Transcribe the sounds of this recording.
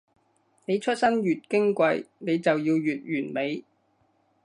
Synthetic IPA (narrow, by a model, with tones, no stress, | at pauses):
ne˨˧jt͡ʃʰɵ˥t̚sɐ˥njyː˨t̚kɪ˥ŋkʷɐ˧jne˨˧jt͡sɐ˨wjiː˧wjyː˨t̚ɥyː˨˩nme˨˧j